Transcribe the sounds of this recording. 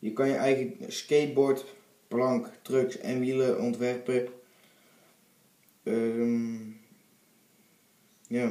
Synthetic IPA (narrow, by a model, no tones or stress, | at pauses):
jəkɔnjəʔɛjɣəskeːt̚boɹt | plɑŋktrøksɛ̰nʋiləʔɔntʋɛrprɪp | jaː